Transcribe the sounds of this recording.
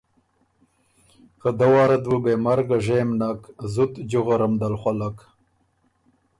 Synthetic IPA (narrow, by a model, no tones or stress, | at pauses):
kad̪awɑːɾad̪wubeːmaɾɡaʐejmnakzut̪d͡ʒuɣaɾamd̪alxʷalak